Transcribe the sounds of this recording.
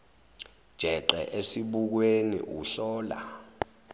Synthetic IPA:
d̥ʒ̥ʱɛǃɛ̰ʔesiɓuk̬wenḭʔuɬɔːla̰

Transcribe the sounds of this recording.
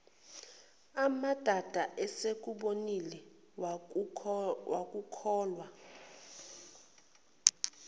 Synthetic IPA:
amad̥ʱad̥ʱaʔɛsek̬ʼuɓonilɛ | wak̬ʼukʰɔːlwa

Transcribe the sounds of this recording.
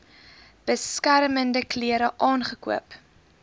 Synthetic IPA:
b̥əskæɾməndəkliəɾəʔɑːnχəkuəp

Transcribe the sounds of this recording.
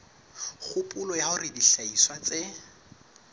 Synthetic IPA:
χʊpʼʊlɔjaʊriɪdiɬaiswat͡sɪ

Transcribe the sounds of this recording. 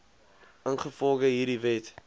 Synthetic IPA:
ənχəfɔlˠɡəɦiːrdivɛt

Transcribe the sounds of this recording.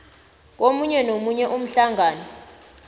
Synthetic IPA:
k̬ʼomuɲɛnomuɲɛʔum̩ɬaŋaːnɔ

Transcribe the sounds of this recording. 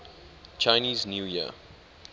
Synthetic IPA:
t͡ʃaɪniːznjuːjiə̰

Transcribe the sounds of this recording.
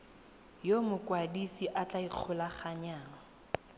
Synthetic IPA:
jomʊkʼwadisiʔat͡ɬʼaiq͡χʰʊlaχaɲaːŋa

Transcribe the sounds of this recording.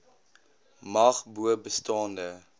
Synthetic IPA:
mɐχbuəbəstɑːndə

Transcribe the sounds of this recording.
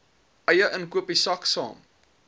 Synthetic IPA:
ʔɐjəʔənkuəpisɐksɑ̰ːm

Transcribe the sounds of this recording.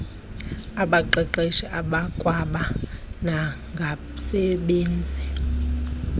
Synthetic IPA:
aɓaǃɛǃeʃiʔaɓakʼwaɓana | ŋɡʱa | sɛɓeːnd͡zʱi

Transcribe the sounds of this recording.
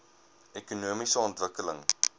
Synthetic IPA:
ɛkunuəmisəɔntvəkələŋ

